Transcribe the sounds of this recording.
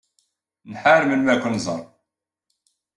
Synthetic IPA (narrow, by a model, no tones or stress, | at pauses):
nħaɾmənwækʷːʊnzˤə̰ɾˤ